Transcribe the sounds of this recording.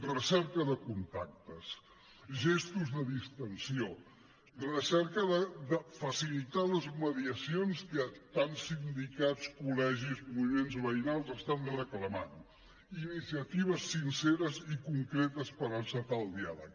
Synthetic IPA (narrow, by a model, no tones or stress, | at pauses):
rəsɛɾkəðəkunt̪ak̚t̪əs | ʒest̪uzðəðist̪ənsio | rəsɛɾkəðəðəfəsilit̪aləzməðiəsionskət̪ansind̪ikat͡skulɛʒizmuβimenzβəinalˠzəst̪anrəkləma̰n | inisiət̪iβ̞əsinseɾəzikuŋkɾet̪əspəɾəsət̪alˠd̪ialə̰k̚